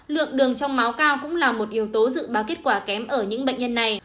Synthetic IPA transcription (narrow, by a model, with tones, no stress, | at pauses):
lɨ̰˧˨əŋɗɨ˨˩əŋt͡ɕɔ˧wŋ͡mma˨˦wkaː˧wkʊ̰˧˥ŋ͡mlaː˨˩mo˨˩t̚ʔi˨˦əwt̪o˨˦zɨ̰˧˨ɓaː˨˩wke˦˥t̚kwaː˧˩kɛ˨˦mʔəː˧˩ɲɨ̰˧˥ŋɓḛ˧˨jŋɲə˧nːa˨˩j